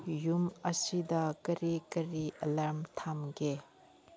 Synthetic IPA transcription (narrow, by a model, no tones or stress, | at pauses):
jumɐsidɐkɐɾikɐɾiʔɐlɐɾmt̪ʰamɡe